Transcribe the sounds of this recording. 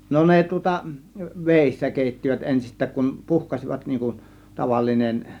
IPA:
no ne tŭŏtɑ ʋeˑisːæ keˑitːiʋæt ensistˑæːk kun puhkɑsiʋɑt niːŋ kun tɑʋɑlːinen

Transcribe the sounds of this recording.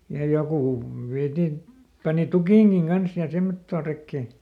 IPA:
jɑ jokuˑ ʋiætin pɑni tukiˑŋɡ̊iŋ ɡ̊ɑns jɑ semːotːoː rekːeˑ

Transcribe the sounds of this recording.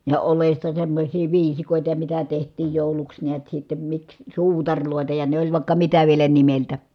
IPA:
jɑ olestɑ semːosʲiː ʋiːsikoˑitɑ jɑ mitæ tehtˑiːj joˑuluks niæt sitːem miks suːtɑrʲloˑetɑ jɑ ne olʲ ʋɑˑi̯kːɑ mitæ ʋielæ nimeltæ

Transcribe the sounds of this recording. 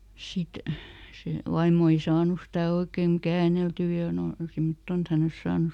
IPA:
sit se ʋɑimːo ei sɑːnu stæ oikeˑŋ kæːneltyː jɑ noi simtːon et hæn ols sɑːnu

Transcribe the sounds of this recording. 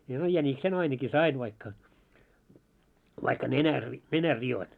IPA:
no jæniksen ɑinɑki sɑin ʋɑikːɑ ʋɑikːɑ nenær ri nenær rioin

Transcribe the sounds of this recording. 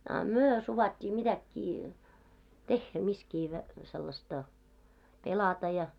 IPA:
ɑ myø suʋɑtʲːiː mitækːiː tehːæ miskiː ʋæ selːɑstɑ pelɑtɑ jɑ

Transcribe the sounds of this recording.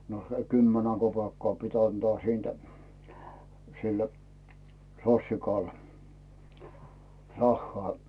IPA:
no se kymːenæ kopeːkːɑː pit ɑntŏɑ siːntæ̥ sil sosːikɑl rɑhːŏɑˑ

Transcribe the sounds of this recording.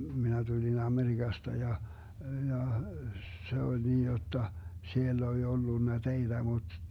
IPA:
minæ tulʲin ɑmeriɡ̊ɑstɑ jɑ jɑ se olʲ niːj jotːɑ sielː olʲ olːunːɑ teid̥æ mut

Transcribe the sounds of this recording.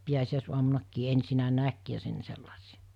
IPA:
piæsiæˑisuɑmunɑkːiː ensinæ næk jɑ sen selːɑsiɑ̥

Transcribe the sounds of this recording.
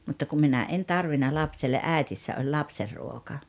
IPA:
mutːɑ kum minæ en tɑrʋinɑ lɑpselːeʔ ʔæˑetisːæ olʲ lɑpserːuokɑ

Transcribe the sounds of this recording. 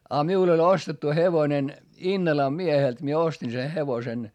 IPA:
ɑ miul olʲ ostetːu heʋonen inːɑlɑm miehelt mie ostin se heʋosen

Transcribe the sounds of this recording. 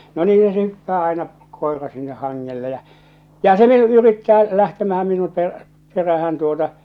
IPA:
no niːhæ se hypːæː ɑenɑ koerɑ sinːeh hɑŋːelːe jæ̠ jɑ se ʋiel yritːæː læhtemæhæm minum per peræhæn tuotɑ

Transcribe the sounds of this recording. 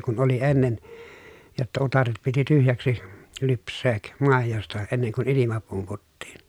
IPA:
kun oli enːen jotːɑ utɑret piti tyhjæksi lypsˑeːk mɑˑejostɑ enːeŋ kun ilimɑ pumputːiːn

